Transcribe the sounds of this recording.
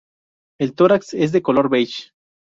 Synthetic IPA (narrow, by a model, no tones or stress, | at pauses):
elt̪oɾaksez̬ðeko̞loɾβejt͡ʃ